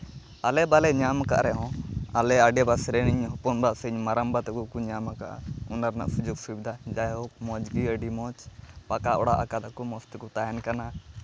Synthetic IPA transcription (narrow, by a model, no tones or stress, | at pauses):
alɛbalɛɲamaka̰ʔɾɛɦɔ̃alɛaɖɛbasɾɛniɲɦɔpɔnbaʔsɛɲmaɾambat̪kukuɲamaka̰ʔa̰unaɾna̰ʔsud͡ʒuɡsubid̪ʱad͡ʒaɦɔk̚mɔd͡ʒɡiəɖimɔ̃t͡ʃpakaʔɔɽaʔakad̪akumɔst̪kut̪ajankana